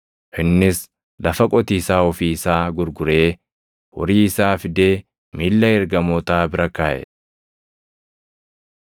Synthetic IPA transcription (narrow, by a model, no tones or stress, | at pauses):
ʔɪnːɪs | lʔɐfɐkʼɔt̪iːsaːɔfiːɪsaːɡʊɾɡʊɾeː | wɔ̰ɾiːɪsaːfɪd̪eː | miːlːɐɛɾɡɐmɔːt̪aːbɪɾɐkaːʔɛ̰